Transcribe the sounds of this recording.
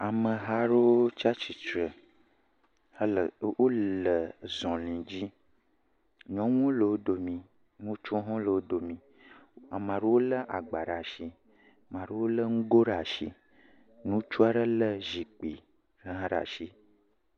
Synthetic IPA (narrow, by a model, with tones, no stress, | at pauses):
a˨mə˨ɦa˦ɾo˦wo˦t͡ʃa˦t͡ʃi˨t͡ʃɾə˨ | hə˦lə˨wʔo˦lə˨zɔ̃˨lĩ˨d͡ʑi˦ | ɲɔ̃˦ŋõ˦lə˨wo˦do˨mĩ˨ | nũ˦t͡ʃõ˦ɦɔ̃˦lə˨wo˦do˨mĩ˨ | a˨mã˨ɾo˦wo˦lə˦ʔa˨ɡ͡ba˨ɖa˨ʃi˦˨ | mã˨ɾe˦wo˦lə˦ŋ̩˦ɡo˦ɖa˨ʃḭ˦ | nũ˦t͡ʃu˦a˦ɖə˦lə˦zi˨k͡pi˨ | ɾə˦ɦã˦ɖa̰˨ʃi˦